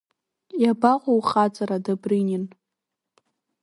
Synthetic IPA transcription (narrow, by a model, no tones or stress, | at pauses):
jabaqʷʼowχat͡sʼaɾadabrɨnin